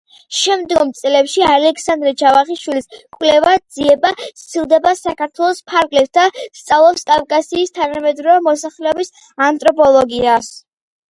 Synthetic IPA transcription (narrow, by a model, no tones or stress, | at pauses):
ʃɛmd̪ɡɔmt̪sʼlɛpʃialɛkʰsand̪ɾɛt͡ʃʰavaχiʃwiliskʼwlɛvad̪z̥iɛbast̪ʰilˠd̪ɛbasakʰaɾt̪ʰwɛlˠɔspʰaɾɡlɛp̚t̪ast̪sʼavlˠɔpskʼavkʼasiːst̪ʰanamɛd̪ɾɔvɛmɔsaχlɛɔbis | ant̪ʼɾɔpʰɔlˠɔɡias